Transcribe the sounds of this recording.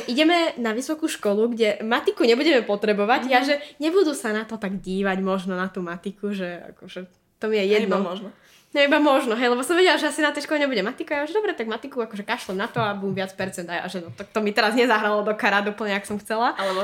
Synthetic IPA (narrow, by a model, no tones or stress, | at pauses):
ʔiɟɛmɛnaʋisɔkuːʃkɔluɡɟɛmat̪ikuɲɛbuɟɛmɛpɔt̪ɾɛbɔʋaɟaʒɛɲɛbud̪usanat̪ɔt̪aɡɟiːʋaɟmɔʒnɔnat̪uːmat̪ikuʒɛa̰kɔʒɛ | t̪ɔmijɛjɛd̪nɔ | nibamɔʒnɔɦɛjlɛbɔsɔmʋɛɟɛlaʒɛasinat̪ɛjʃkɔlɛɲɛbuɟɛmat̪ikaajaʒɛd̪ɔbɾɛt̪aɡmat̪ikuakɔʒɛkaʃlɛmnat̪ɔabumʋɪat͡spɛɾt͡sɛnd̪aja̰ʒɛt̪ɔt̪ɔmit̪ɛɾazɲɛzaɦɾalɔd̪ɔkaɾad̪ɔupl̩ɲɛaksɔmxt͡sɛla